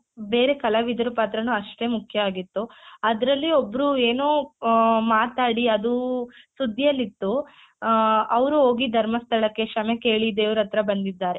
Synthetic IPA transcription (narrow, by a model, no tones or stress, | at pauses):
be̞ːɾe̞kɐlɐʋid̪ʱɐɾupaːt̪ɾɐnuɐʂʈe̞mukʰjɐaːɡit̪ːuɐd̪ɐɾɐlːiobːɐɾue̞ːnoːmaːt̪aːɽiɐd̪usud̪ʱːijɐlːit̪ːu | ɐʋɾuo̞ːɡid̪ʱɐɾmɐst̪ʰɐɭɐkːe̞ʃɐmeke̞ːɭid̪eːʋuɾɐt̪ɾɐbɐnd̪id̪ːaːɾe̞